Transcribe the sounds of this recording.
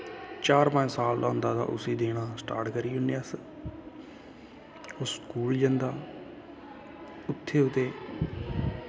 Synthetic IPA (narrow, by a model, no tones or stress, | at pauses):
t͡ʃaːɾmãːsaːld̪ãːnd̪aːd̪a̰ːʔʊ̰siːd̪eːɽ̃aːsʈa̰ːɾʈkəɾiːʊnəs | oskuːld͡ʒə̃nd̪aː | ʊt̪ʰːeːʊt̪eː